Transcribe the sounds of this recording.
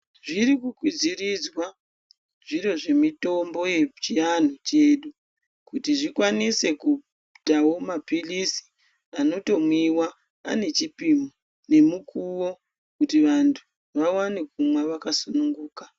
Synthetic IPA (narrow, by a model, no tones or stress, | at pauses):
ʐiɾikukwid͡zirid͡zwa | ʐiɾo̞ʐe̞mito̞mbo̞je̞t͡ʃian̤ot͡ʃe̞ːɗu | kutiʐikwanise̞ku | tawo̞mapilisi̥ | ano̞to̞mwiwa | a̰ne̞t͡ʃipimo | ne̞mukʰuwo̞ | kutiʋantʰu̥ | ʋawanekumwaʋakasunuŋɡuːka